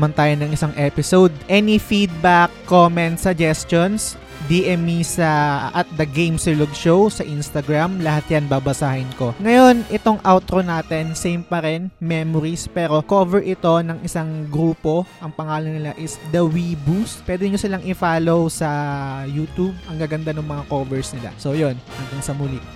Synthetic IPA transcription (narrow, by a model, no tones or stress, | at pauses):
mɐnt̪aːjonɐŋʔɪsaŋʔɛpɪsowd̪̚ʔɛːnifid̪̚bakːomɛnt̪sɐd͡ʒɛst̪ons | d̪iʔɛmisɐʔɐt̪̚d̪ɐɡejmsɪloɡʃowsɐʔinst̪ɐɡɹamlɐhat̪̚janbaːbɐsaːhɪnko̞ŋɐjo̞nʔɪt̪o̞ŋʔawt̪ɾonaːt̪ɛnsejmpɐɾɛnmɛːmoɾispɛːɾo̞kovɛɹʔɪt̪o̞nɐŋʔɪsaŋɡɾuːpo̞ʔɐŋpɐŋaːlonɪlaʔɪsd̪ɐwibuspwɛːd̪ɛɲosɪlaŋʔɪfaːlo̞wsɐjuːt̪ub̚ɐŋɡaɡɐnd̪anʊŋmɐŋakoːvɛɹsnɪla̰sojo̞nhɐŋɡ̪aŋsɐmuliʔ